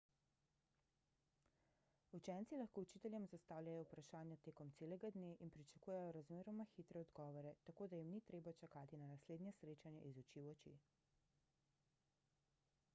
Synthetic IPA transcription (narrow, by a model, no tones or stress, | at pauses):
ut͡ʃɛnt̪silaxkout͡ʃit̪ɛljɛmzast̪aːwlʲjajɔupɾaʃaːnjat̪eːkɔmt̪seːlɛɡad̪neʔinpɾit͡ʃḁkuːjɛjɔɾazmeːɾɔmaxit̪ɾɛɔd̪ɡɔːʋɔɾɛt̪akoːd̪ajimnit̪ɾeːbat͡ʃakaːt̪inanasleːd̪njɛsɾeːt͡ʃanjɛ̰ʔizut͡ʃiɔt͡ʃḭ